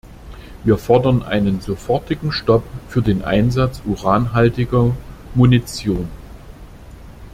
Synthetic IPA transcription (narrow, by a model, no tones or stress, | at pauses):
viːɐfɔɐdɐnʔa̰ɪnənzofɔɐtɪɡŋ̩ʃtɔpfyːɐdeːnʔa̰ɪnzat͡sʔuʁaːnɦaltɪɡɐmunit͡sjoːn